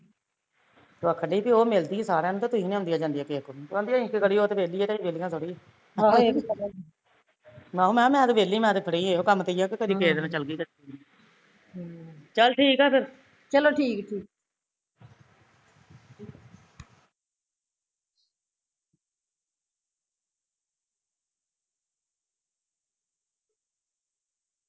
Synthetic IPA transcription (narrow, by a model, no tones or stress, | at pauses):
t̪oəkʰːɖiːpiːoːmɪlt̪iːesaːɾãːnũːt̪ãːt̪ʊɦĩːniːõnd̪iaːd͡ʒãːnd̪ijaːkekːot̪ãnd̪ijaːĩkekəɽiːoːt̪eʋeːliːɛːt̪ãːiːʋeːlijãːsoɽiːeː | ɦeə | mãːuːmɛ̃ːmɛ̃ːt̪ʋeːlːiːmɛ̃ːt̪epʰəɽiːeːoːkəmt̪eiːjaːkekəd̪iːkeːd̪nãːt͡ʃəlɡiːkəɾ | i | t͡ʃəlʈʰiːkaːpʰɪɾ | t͡ʃəloːʈʰiːkʈʰiːk̚